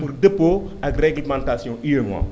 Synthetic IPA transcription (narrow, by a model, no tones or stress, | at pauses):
urdepo | ɐkrɛɡləmãntasjɔ̃ʔiøŋwã̰